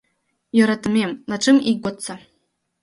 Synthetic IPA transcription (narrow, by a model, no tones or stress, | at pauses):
joɾatʰɨmemlaʈ͡ʂʰʼɨmiɡʷɔt͡sːa